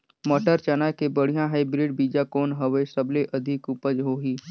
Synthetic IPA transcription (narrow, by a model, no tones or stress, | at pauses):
mɔʈəɾt͡ʃanakebəɽ̤ijãɦɛebɾɪɖbiːd͡ʒakɔːnɦəʋesəbleʔɐd̪ʱɪkupəd͡ʒɦoːɦiː